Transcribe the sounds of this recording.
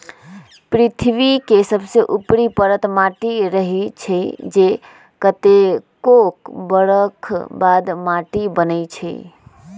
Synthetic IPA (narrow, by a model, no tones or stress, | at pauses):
pɾit̪ʰbikesəbseʔupɾipəɾət̪maʈiɾəɦit͡ʃʰəd͡ʒe | kət̪ekokbəɽəkʰbad̪maʈibənəjt͡ʃʰə̰